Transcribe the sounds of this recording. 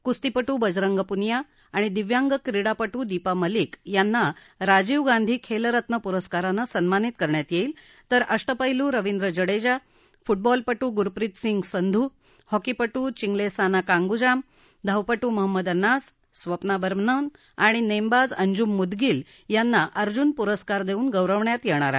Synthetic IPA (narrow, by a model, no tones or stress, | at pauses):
kust̪ipəʈuːbəd͡zɾəŋɡəpunjaː | ɽ̃id̪iʋjaŋɡəkɾiɽapəʈuːd̪ipaməlikjanːa | ɾad͡ʑiʋɡãnd̪ʱiːkʰeləɾət̪nəpuɾəskaɾanəsənmanit̪̚kəɾɳjat̪jeil | t̪əɾʔəʂʈəpəɦiluːɾəʋind̪ɾəd͡ʑəɽed͡ʑa | fuʈ̚bɔlpəʈuːɡuɾpɾit̪siŋɡsənd̪ʱuː | hɔkipəʈuːt͡ɕiŋɡlesanakãŋɡud͡ʑam | d̪ʱəʋpəʈuːməɦəmːəd̪ənːasː | ʋəpnabəɾmnən | aɽ̃inembad͡zəɲd͡ʑumːud̪ɡiːl | janːaʔəɾd͡ʑunpuɾəskaɾd̪euːnɡəwɾəʋɳjat̪jɛɽ̃aɾa̰